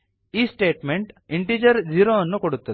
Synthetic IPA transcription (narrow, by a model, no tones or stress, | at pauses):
iːsʈeːʈmeɳʈiɳʈiːd͡ʒɐɾd͡ʒiɾoɐnːukoɽut̪ːɐt̪